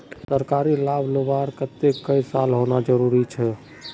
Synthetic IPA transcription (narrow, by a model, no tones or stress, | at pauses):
səɾkaɾilabʱlobaɾkət̪ːekːəjsalɦonad͡ʒəɾuɾit͡ʃʰɛ